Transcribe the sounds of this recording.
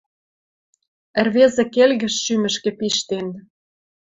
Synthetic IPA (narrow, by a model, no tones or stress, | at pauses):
ə̆rβezĕkelɣə̆ʃːymə̆ʃkĕpiʃt̪en